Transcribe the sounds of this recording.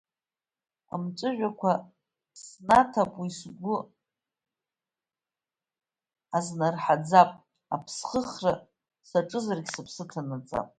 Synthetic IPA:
a̰mʈ͡ʂʷʼɨʒᶣʷakʷʰa | snatʰapʼwisɡʷʊ | aznarħad͡zapʼ | apʰsχəχra | saʈ͡ʂʼɨzarɡʲsapʰsɨtʰanat͡sʼa̰pʼ

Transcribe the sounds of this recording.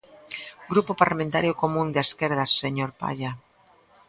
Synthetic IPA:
ɡɾupopaɾlamẽnt̪aɾjokomũnd̪eskeɾð̞asːeɲoɾpa̰ʎa

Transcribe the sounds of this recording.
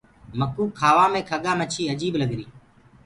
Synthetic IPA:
məkuːkʰːaːʋaːmẽːkʰəɠaːmət͡ʃʰiːəd͡ʒiːɓləɡɾiː

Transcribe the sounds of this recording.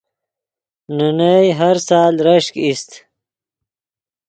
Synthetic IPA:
nunajɦaɾsɑːlɾaʂkist̪

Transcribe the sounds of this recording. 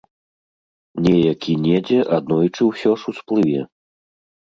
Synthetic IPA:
nʲɛjakʲʰinʲɛd͡zʲɛʔad̪̚nɔjt͡ʂɨwsʲɔʂusplˠɨvʲɛ

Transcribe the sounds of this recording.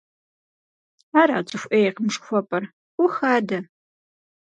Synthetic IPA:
aːɾa̰ːt͡ʃʼɨfʷʔejqəmʂxʷɔpʼɐr | ʊxaːdɐ

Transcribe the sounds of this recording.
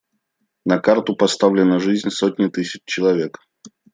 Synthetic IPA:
nɐkart̪ʊpɐst̪avlʲɪnəʐɨzʲnʲsotʲnʲɪt̪ɨsʲɪt͡ɕt͡ɕɪlˠɐvʲe̞k

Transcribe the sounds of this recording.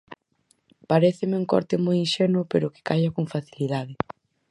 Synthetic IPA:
paɾeθɪmɪuŋkɔ̰ɾt̪ɪmojinʃɛnʊpeɾʊkɪ̥kajakoŋfaθiliðaðɪ

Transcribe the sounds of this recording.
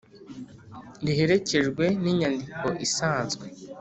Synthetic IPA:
ndiɦe̞ɾe̞ce̞ʒɡwe̞niːɲandikʰo̞ʔisaːnzɡwe̞

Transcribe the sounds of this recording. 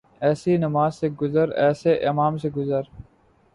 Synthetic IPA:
ɛːsinɐmaːzseɡʊzəɾɛːseʔɪmaːmseɡʊzəɾ

